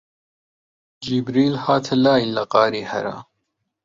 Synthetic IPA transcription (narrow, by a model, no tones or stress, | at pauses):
d͡ʒibɾiːlhaːt̪ʰɐlaːjillːɐqɑːɾiːhɐ̰ɾa̰ː